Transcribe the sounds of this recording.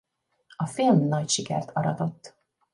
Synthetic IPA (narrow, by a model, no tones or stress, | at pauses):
ɒfilmnɒcʃikɛrt̪ʰɒɾɒt̪o̞t̪ː